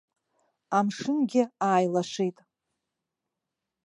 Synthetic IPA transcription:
amʂɨnɡʲɪaːjlaʂijtʼ

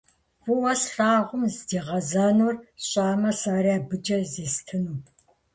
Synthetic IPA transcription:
pʊwɐsɬʼaːʁʷʊmzdiːʁɐzaːnurɕʼaːmɐsaːɾjaːbɨd͡ʒɐziːstʰɨnuː

